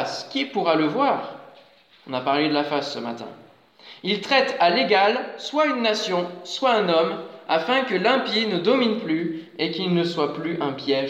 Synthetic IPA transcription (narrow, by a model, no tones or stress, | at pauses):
skʲipuʁaləvwaːʁ | ɔ̃napaʁled̪əlafasːəmat̪ɛ̰̃ | ilt̪χɛt̪aleɡalswaynːasjɔ̃swaɛ̃nɔma̰fɛ̃kəlɛ̃pjinəd̪ɔminply | ekilnəswaplyʔɛ̃pjɛʒ